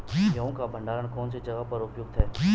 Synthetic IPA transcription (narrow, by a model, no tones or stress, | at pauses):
jɐõkabʱə̃ɳɖaːɾəɽkɔːnsed͡ʒɐɡapɐɾʊpjʊɡ̚t̪ʰɛː